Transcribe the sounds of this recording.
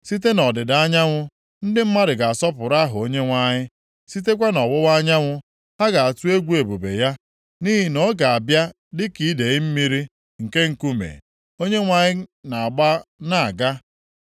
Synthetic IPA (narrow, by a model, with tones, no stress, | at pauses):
si˦t̬e˦nɔ˨dɪ˨da˦ɲa˦ŋʷʊ˦ | n̩˦dɪ˦m̩˦ma˦ɾɪ˨ɡa˨a˨sɔ˦pʊ˨ɾa˦ɦʊ˨o˦ɲe˦ŋʷa˦ɲɪ˦ | si˦t̬e˦k̬ʷa˦nɔ˨wʊ˦wa˦ɲa˦ŋʷʊ˦ | ha˦ɡa˨a˨tu˦e˦ɡʷu˦e˨bo˨bḛ˨ja˦ | ni˦ɦi˨nɔ˦ɡa˨a˨bja˦ | dɪ˦ki˨˦de˨ɣɪ˦m̩˦mi˦ɾi˦ | ŋ̩˨ke˦ŋ̩˨ku˦mḛ˨ | o˦ɲe˦ŋʷa˨ɲɪ˦na˨a˨ɡ͡ba˦na˨a˨ɡa˦